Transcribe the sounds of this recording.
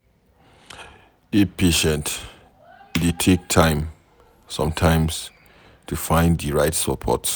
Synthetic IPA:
dipʰeʃɛ̃nt | ditʰek̚tʰãɪ̃m | sɔ̰̃mtʰãɪ̃ms | tʰufãɪ̃nddiɹaɪtsəpʰɔ̰t

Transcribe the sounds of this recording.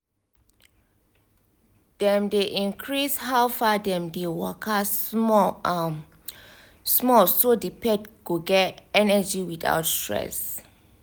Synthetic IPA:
d̥ɛ̃mdeʔĩnkʰɹishawfadɛ̃mdewɔkʰasmɔ | smɔsodipɛtɡ̥oɡɛtɛnəd͡ʒiwita̰wtstɹɛ̰s

